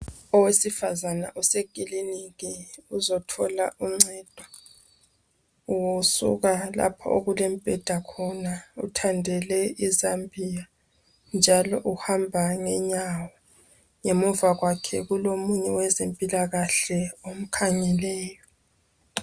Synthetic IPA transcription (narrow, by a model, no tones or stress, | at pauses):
ɔwesifazana̰ʔɔseɡ̥ʱʼiliniɣɛuzɔtʰɔlaʔuŋ͡ǀɛd̥ʱwa | uwusṵɣala̰pʰɔ̰ʔo̰ɣulɛm̩pʼɛd̥ʱakʰɔnaṵtʰandʱɛlɛizambʱija | nd͡ʒʱalɔʔuhambʱaŋɛɲawɔ | ŋemuvaɣwakʰɛ̰ɣulomuɲɛwɛzempʼilaɣaɬɛom̩kʰaɲɛlɛːjɔ